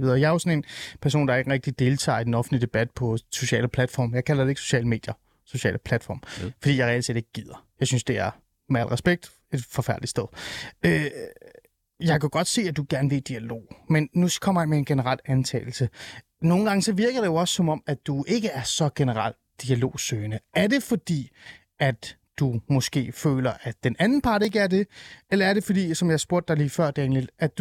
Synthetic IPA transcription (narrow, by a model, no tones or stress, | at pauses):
ʋiðˠɐjɑ̈ɐjo̝sɒ̽ne̝npʰæɐso̝̰ːndɑ̈ɐeɡ̥əʁeɡ̥̚d̥id̥e̝ːlt͡sʰɑ̰̈ːid̥enɒ̽fn̩dlid̥e̝b̥æd̥̚pʰɒ̽so̝ɕɛ̰ːləpʰlæd̥fɒ̰ːmjɑɪkʰælɐd̥ee̝ɡ̥so̝ɕɛ̰ːləme̝̰ːd̥jɐ | so̝ɕɛ̰ːləpʰlæd̥fɒ̰ːmfɒd̥ḭːjɑɪʁɛælt͡sʰe̝̰d̥e̝ɡ̥ə̥ɡ̥ið̰ˠɐjɑ̈ɪsynsd̥e̝æɐ | meæl̰ʁɛsb̥eɡ̥̚d̥ | e̝d̥fɒ̽fæɐd̥lidsd̥eð̞ˠø | jɑ̈ɪkʰæɡ̥ɒ̽d̥se̝̰ːæd̥uɡ̥æɐnʋe̝d̥iælo̝̰ːmenːukʰɒ̽m̰ɐjaɪmee̝nɡ̥e̝nəʁɑ̈l̰ænt͡sʰɛ̰ːl̩sə | no̝ːn̩ɡ̥ɑ̈ŋəsɒ̽ʋiɐɡ̥ɐd̥e̝jo̝ɒ̽sə̥sɒ̽mɒ̽m̰æd̥ue̝ɡ̥əæɐsɒ̽ɡ̥enəʁɑ̰l̰ | d̥iælo̝̰ːsøːnəæɐd̥e̝fɒ̽d̥ḭː | æd̥ | d̥umɒ̽sɡ̥e̝̰ːfø̰ːlɐʔæd̥enænn̩pʰɑ̈ːd̥e̝ɡ̥əæɐd̥e̝elɐæɐɾe̝fɒd̥ḭːsɒ̽mjɑhɑ̈sb̥o̝ɐ̰d̥ɑ̈liːfɶɐ̰d̥eḛːnliæ̥u